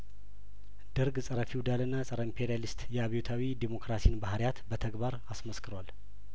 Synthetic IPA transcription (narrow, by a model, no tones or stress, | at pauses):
d̪̥ɨɾɡsʼəɾəfiwd̪alɨnːasʼəɾəimpʰe̞ɾialist̪jɛaβjot̪ʰawid̪emo̞kɾasijnbahɾjat̪bət̪ʰəɡbaɾasməskʰɨɾwal